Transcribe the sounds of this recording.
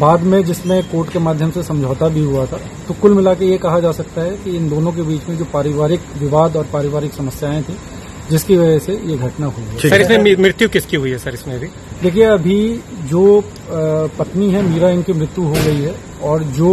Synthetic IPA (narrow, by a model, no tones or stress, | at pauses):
baːd̪mẽd͡ʒɪsmẽkoːɾʈkemaːd̪ʱjəmsesɐ̃md͡ʒʱɔːt̪abʱiɦuat̪ʰa | t̪okʊlmɪlaːkejekɐɦad͡ʒaːsɐk̚t̪aɦɛkiɪnd̪oːnõk̬ebiːt͡ʃmẽd͡ʒoːpaːɾɪʋaːɾɪkʋɪʋaːd̪ɔːɾpaːɾɪʋaːɾɪksɐməsjaːẽt̪ʰĩ | d͡ʒɪskiʋɐd͡ʒəsejeɡʱɐʈnaɦoiɡːʰsɐɾɪsmẽimɾɪt̪jukɪskiɦʊiɦɛsɐɾɪsmẽɐbʱi | d̪eːkʰieɐbʱid͡ʒoː | pɐt̪niɦɛmiːɾaɪnkimɾɪt̪ːjuɦoɡɐɦiɦɛ | ɔːɾd͡ʒoː